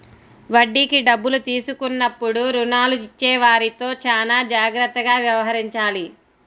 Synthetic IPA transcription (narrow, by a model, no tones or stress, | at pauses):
ʋɐɖːikiɖɐbːulut̪iːsukunːɐpːuɽuɾunaːluit͡ʃːɛːʋaːɾit̪o̞ːt͡ʃaːnaːd͡ʒaːɡɾɐt̪ːɐɡaːʋjɐʋɐɦɐɾiɲt͡ʃaːli